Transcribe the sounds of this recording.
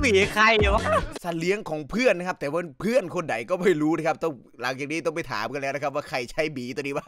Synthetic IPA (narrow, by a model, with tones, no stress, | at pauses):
biː˨˩kʰa˧˩ji˨˧˩wa˧˥˩sa˧li˦˥əŋkʰɔː˩˦ŋpʰɯ˥˩əna˧˥kʰa˦˥p̚t̪ɛː˨˩waː˥˩˦pʰɯ˥˩ənkʰo˧nda˨˩˦jkɔː˥˩ma˥˩jɾuː˦˥na˧˩kʰp̚t̪ɔ˥˩ŋ | la˨˦ŋt͡ɕaː˨˩kniː˦˥t̪ɔ˥˩pa˨˩jt̪ʰa̰ː˩˦mka˧nlɛː˦˥˩na˧˥kʰp̚waː˥˩kʰa˧˩jt͡ɕʰa˦˥jbiː˨˦t̪u˧niː˦˥baː˧˥˩